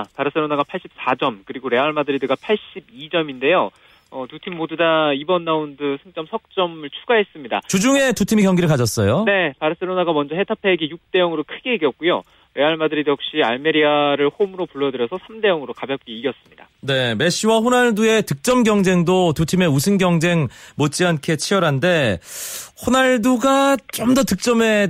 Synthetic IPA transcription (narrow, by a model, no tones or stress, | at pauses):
paɾɯs͈eɾonaɡapʰaɭɕ͈ip̚s͈ad͡ʑʌmkɯɾiɡoɾe̞aɭmadɯɾidɯɡapʰaɭɕ͈ibid͡ʑʌminde̞jo | ʌtutʰimːodudaibʌnːaundɯsʰeŋt͡ɕ͈ʌmsʰʌk̚t͡ɕ͈ʌmɯɭt͡ɕʰuɡaɦe̞s͈ɯmɲida̰t͡ɕud͡ʑuŋe̞tutʰimikjʌŋɡiɾɯɭkad͡ʑʌs͈ʌjone̞paɾɯs͈eɾonaɡamʌnd͡ʑʌɦe̞tʰapʰe̞ɡijuk̚t͈e̞jʌŋɯɾokʰɯɡe̞iɡjʌt̚k͈ujo | eaɭmadɯɾidjʌk̚ɕ͈ia̰ɭme̞ɾiaɾɯɭɸomɯɾopuɭːʌdɯɾjʌsʰʌsʰamde̞jʌŋɯɾokabjʌp̚k͈iiɡjʌs͈ɯmɲida̰ne̞me̞ɕ͈iwaɸonaɭdue̞tɯk̚t͡ɕ͈ʌmɡjʌŋd͡ʑe̞ŋdotutʰime̞usʰɯnɡjʌŋd͡ʑe̞ŋmot͡ɕ͈iankʰe̞t͡ɕʰiʌɾɦande̞ | ɸonaɭduɡat͡ɕ͈omdʌtɯk̚t͡ɕ͈ʌme̞